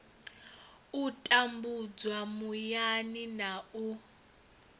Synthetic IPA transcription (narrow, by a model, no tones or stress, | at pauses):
utʼambud͡zwamujaninau